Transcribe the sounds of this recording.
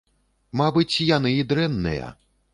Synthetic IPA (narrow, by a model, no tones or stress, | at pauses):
mabɨt͡sʲjanɨid̪ɾɛnːɨ̰jɐ̰